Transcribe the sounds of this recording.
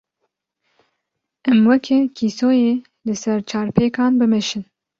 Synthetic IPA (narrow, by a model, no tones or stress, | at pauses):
ʔɛmwɛkʰɛkʰiːsoːjeː | lɨsɛɾt͡ʃʰɑːɾpʰeːkɑːnbɨmɛʃɨn